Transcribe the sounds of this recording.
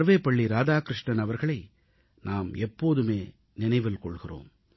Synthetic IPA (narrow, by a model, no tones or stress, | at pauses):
ɾʋeːpɐɭːiɾaːðaːkɾɪʂɳɐnɐʋɐɾɣɐɭɐɪ | naːmɛpːoːðɯmeː | nɪnɐɪʋɪlkɔɭɣɪro̰ːm